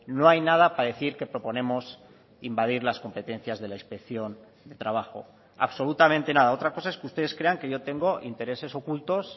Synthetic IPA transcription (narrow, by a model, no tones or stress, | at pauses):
no̞ajnað̞apaðe̞θiɾke̞pɾo̞po̞nẽ̞mo̞s | imbað̞iɾlasko̞mpe̞t̪ẽ̞n̟θjazðe̞laispe̞kθjo̞n | d̪e̞t̪ɾaβ̞axo̞̰ | a̰βso̞lut̪amẽnt̪e̞nað̞ao̞t̪ɾako̞sae̞skeust̪e̞ð̞e̞skɾe̞aŋke̞ʝo̞t̪e̞ŋɡo̞ʔḭnt̪e̞ɾe̞se̞so̞kult̪o̞s